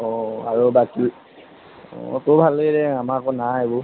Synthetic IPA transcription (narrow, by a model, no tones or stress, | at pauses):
ɔaɹobaki | tobʱalːɡɛɾɛamaɹkɔnaebʊ